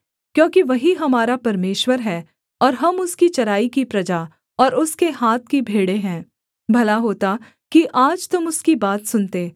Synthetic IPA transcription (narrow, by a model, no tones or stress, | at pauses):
kjõːkiʋɐɦiɦɐmaːɾapɐɾmeːʃwəɾɦɛː | ɔːɾɦɐmʊskit͡ʃɐɾaːikipɾɐd͡ʒa | ɔːɾʊskeɦaːt̪̚kibʱeːɽeɦɛ̃ː | bʱɐlaɦoːt̪a | kiʔaːd͡ʒt̪ʊmʊskibaːt̪sʊnt̪eː